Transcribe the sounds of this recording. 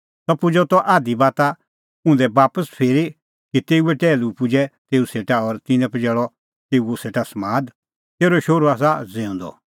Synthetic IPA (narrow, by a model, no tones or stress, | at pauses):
t̪ɔpʊd͡ʒɔt̪ɔʔaːd̪ibaːt̪a | ũːnd̪ɛbaːpəspʰeːɾi | kit̪eːuɛʈɛːlupʊd͡ʒɛt̪eːuseːʈaɔɾt̪ɪ̃nɛ̃pd͡ʒɛːɭɔ | t̪eːuuseːʈasmaːd̪ | t̪eːɾɔʃoːɾuaːs̬ad͡zẽːũnd̪ɔ̰